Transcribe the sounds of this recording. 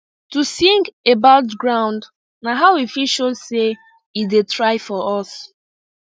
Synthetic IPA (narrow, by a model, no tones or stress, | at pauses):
tusĩŋɡebaʊtɡɹãʊ̃nd | naɦaʊifiʃose | itdetɹaɪfɔɔs